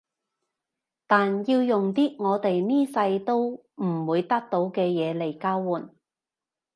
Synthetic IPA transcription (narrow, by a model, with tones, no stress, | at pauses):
t̪aː˨nji˧wjʊ˨ŋt̪iː˥ŋɔː˨˧t̪e˨jniː˥sɐ˧jt̪o˥w | m̩˨˩wuː˨˧jt̪ɐ˥k̚t̪o˨˧˥wkɛː˧jɛː˨˧le˨˩jkaː˥wwuː˨˩n